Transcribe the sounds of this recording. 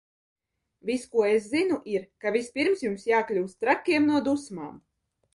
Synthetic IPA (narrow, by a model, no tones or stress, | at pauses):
vʲiskuɔeszinuʔiɾkavʲispʲiɾmsjumsjaːklʲuːst̪ɾakʲːiɛmnuɔd̪usma̰ːm